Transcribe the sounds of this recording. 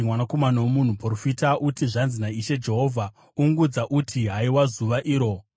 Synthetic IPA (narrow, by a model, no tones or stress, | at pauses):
mwanako̞manawomun̤uporofitaʔutiʐanzinaiʃe̞d͡ʒe̞ɦo̞ːvʱa | uŋɡud͡zaʔutʰiɦaiwazuʋaʔiːɾo̞